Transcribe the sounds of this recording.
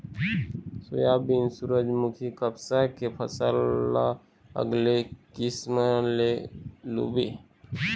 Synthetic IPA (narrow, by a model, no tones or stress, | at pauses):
sʊ̰jabinsuɾəd͡ʒmukʰikəbsakepʰəsəlːa | ə̰ɡlekɪsməlelṵbi